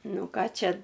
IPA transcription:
ˈnʊ ˈkɑː ˈt͡ʃʲɛ

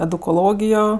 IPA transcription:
ɛdʊkoːˈlˠoːɡʲɪjoː

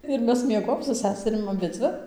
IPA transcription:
ɪr ˈmʲɛs mʲiɛˈɡoːjoːm sʊ ˈsʲæːsʲɛrʲɪm ɐˈbʲɪd͡zʲʋʲɪ

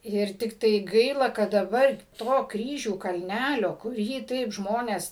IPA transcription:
ˈɪr tʲɪkˈtɐɪ ˈɡɐɪlˠɐ kɐt dɐˈbɐr ˈtoː ˈkrʲiːʒʲuː kɐlʲˈnʲælʲoː kʊˈrʲiː ˈtɐɪp ˈʒmoːnʲeːs

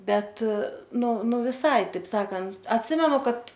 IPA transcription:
ˈbʲɛt ˈnʊ ˈnʊ ʋʲɪˈsɐɪ ˈtɐɪp ˈsɑːkɐnt ɐtʲˈsʲɪmʲɛnʊ ˈkɐt

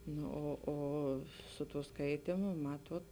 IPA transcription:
ˈnʊ oː ˈoː sʊ tuː ˈskɐɪtʲiːmʊ ˈmɑːtuɔt

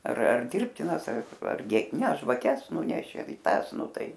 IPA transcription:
ɐr ɐr ˈdʲɪrʲpʲtʲɪnɐs ɐr ɐrʲˈɡʲɪ nʲɛ ʒʋɐˈkʲɛs ˈnʊnʲɛʃʲeː ɪ ˈtɑːs ˈnʊ ˈtɐɪ

